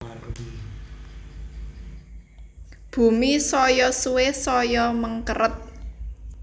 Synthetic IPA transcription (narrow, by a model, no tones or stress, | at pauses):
b̥ṳmisɔjɔsuwesɔjɔməŋkəɾət̪̚